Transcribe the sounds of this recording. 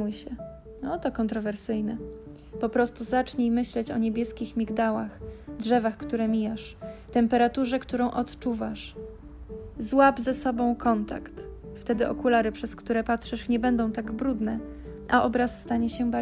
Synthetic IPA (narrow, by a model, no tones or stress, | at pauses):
ujɕɛ | ɔt̪ɔkɔnt̪ɾɔvɛɾsɘjnɛ | pɔpɾɔst̪uzat͡ʂɲejmɘɕlɛt͡ɕɔɲebʲjɛskʲixmʲiɡd̪awaxdʐɛvaxkt̪uɾɛmʲijaʂt̪ɛmpɛɾat̪uʐɛkt̪uɾɔ̃w̃ʔɔt̪t͡ʂuvaʂ | zwabzɛsɔbɔ̃w̃kʰɔnt̪a̰kt̪ft̪ɛd̪ɘʔɔ̰kulaɾɘpʂɛskt̪uɾɛpatʂɛʂɲɛbɛnd̪ɔ̃w̃t̪aɡbɾud̪nɛ | ʔa̰ʔɔbɾasːt̪aɲɛɕɛba